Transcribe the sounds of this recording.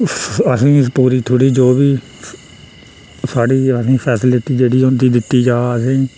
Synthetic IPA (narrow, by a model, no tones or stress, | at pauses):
əsĩːspuːɾiːt̪ʰoːɽiːd͡ʒoːbiː | saːɽiːəsĩːpʰɛːsɪlɪʈiːd͡ʒeːɽiːʊ̃nd̪iːd̪ɪt̪ːiːd͡ʒaːəsĩː